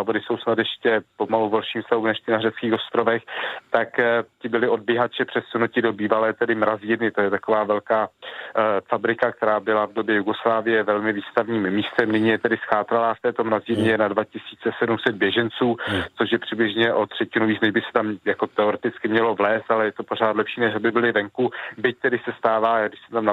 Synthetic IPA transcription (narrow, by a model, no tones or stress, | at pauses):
abodɪso̞wsnat̪jɛʃcɛpo̞maluvɛlʃiːmfst̪aɦumnɛʃt̪ɪnarɛt͡skiːxo̞st̪ɾo̞vɛxt̪akc̪ɪbɪlɪʔo̞d̚bjɪɦat͡ʃɛpr̝̥ɛt̪sunucɪdo̞biːvalɛːt̪ɛdɪmɾaziːɾnɪt̪o̞jɛt̪akovaːvɛlkaː | fabɾɪkak̚t̪ɛɾaːvbɪlavdo̞bjɛjuɡo̞slaːvɪjɛvɛlmɪviːst̪avɲiːmːiːst̪ɛmnɪɲijɛt̪ɛdɪsxaːt̪ɾalaːft̪ɛːt̪omɾaziːɾɲɛjɛnadvacɪsiːt͡sɛsɛdumsɛd̪̚bjɛʒɛnt͡suːt͡so̞ʃ̬jɛpr̝̥ɪblɪʒɲɛʔo̞t̪r̝̥ɛcɪnuviːt͡snɛʒbɪsɛ̥t̪amjako̞t̪ɛo̞ɾɛt̪ɪt͡skɪmɲɛlo̞vlɛːst̪ʔalɛjɛt̪o̞po̞ɾ̝aːt̪lɛpʃiːnɛʃabɪbɪlɪvɛŋkubɪc̚t̪ɛdɪsɛst̪aːvaːjaɡdɪʃsɛmt̪amna